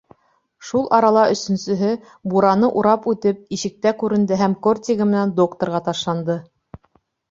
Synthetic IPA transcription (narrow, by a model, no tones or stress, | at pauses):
ʃulˠʔɑɾɑlˠɑɵ̆sɵ̆nsɵ̆ɦɘ | buɾɑnɤʔuɾɑpʉt̪ɘp̚iʃɘ̆k̚t̪ækʉɾɘ̆nd̪ɘɦæmkorʲt̪ʲɪɣɤmɘ̆nænd̪okt̪ŏɾʁɑt̪ɑʃlˠɑnd̪ɤ